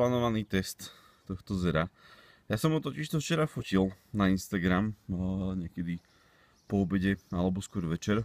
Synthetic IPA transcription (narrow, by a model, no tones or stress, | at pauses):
laːnɔʋaniːt̪ɛst̪ː | ɔxt̪ɔzɛɾa | jasɔmɦut̪ɔciʃt̪ɔft͡ʃɛɾafucilnainst̪aɡɾamɲɛkɛd̪i | pɔɔbɛɟɛalɛbɔskʊɔɾʋɛt͡ʃɛɾ